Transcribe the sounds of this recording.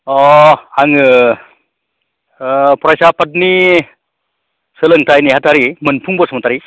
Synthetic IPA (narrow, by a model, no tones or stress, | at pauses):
ɔaŋɯ | pɾajsapʰat̬̚ni | sɯlɯŋtajniɦataɾimɯnpʰuŋbɔsɔmatʰaɾi